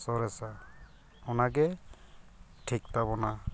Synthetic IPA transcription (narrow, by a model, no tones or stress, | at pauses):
sɔɾɛsa | ɔnaɡɛ | ʈʰik̚tabɔna